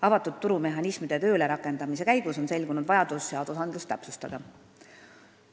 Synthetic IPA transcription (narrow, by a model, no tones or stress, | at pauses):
ɑvɑt̪ːˑut̪t̪ːuɾume̞ɦɑnismid̪̥e̞t̪ø̞ːle̞ɾɑkːˑe̞nd̪̥ɑmise̞kæjɡ̥uso̞nse̞lʲɡunud̪vɑjɑd̪̥usːeɑːd̪̥usɑnd̪̥lust̪æpsust̪ɑd̪̥ɑ